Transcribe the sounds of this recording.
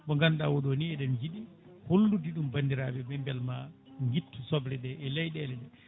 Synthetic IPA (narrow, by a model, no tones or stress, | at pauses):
ɓɔŋɡanɗawɔɗɔniɛɗɛmd͡ʒiɗi | holːudiɗumbandiɾaɓɛbɛmbɛlmaŋɡitːusɔblɛɗɛʔɛlɛjɗɛlɛɗɛ